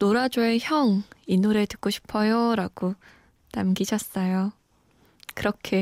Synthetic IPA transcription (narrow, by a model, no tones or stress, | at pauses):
noɾad͡ʑoe̞çjʌŋinuɾetɯ̥k͈̚oɕʰi̥pʰʌjoɾaɡ̥o | namɡid͡ʑʰʌs͈ʌjo | kɯɾʌkʰe̞